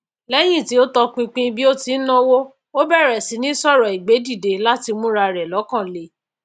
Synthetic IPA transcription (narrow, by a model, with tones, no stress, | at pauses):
lɛ˦j̃ĩ˦˨ti˨˦o˦tɔ˧k͡pĩ˧k͡pĩ˧bi˦o˦ti˧˦nɔ̃˦wo˦ | o˦bɛ˦˨ɾɛ˨si˨˦nĩ˦sɔ˦˨ɾɔ˨i˨ɡ͡be˨˦di˦˨de˨la˦ti˧mũ˦ɾa˧ɾɛ˨lɔ˨˦kã˦˨le˨˦